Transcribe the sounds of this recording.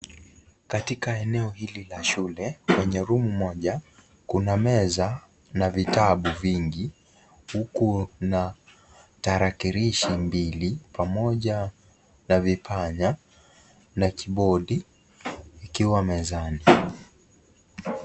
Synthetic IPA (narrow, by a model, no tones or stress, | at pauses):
katikaɛnɛɔhililaʃulɛkwɛɲɛɾumumɔʄa | kunamɛza | navitaɓuviŋɡi | hukuna | taɾakiɾiʃimbilipamɔʄa | navipʰaɲa | nakiɓɔɗiː | kiwamɛzani